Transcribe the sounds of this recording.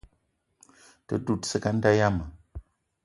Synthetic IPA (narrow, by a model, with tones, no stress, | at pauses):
tə̰˦du˦˨t̚sə˦ka˦n̩˦da˦ja˦mə˨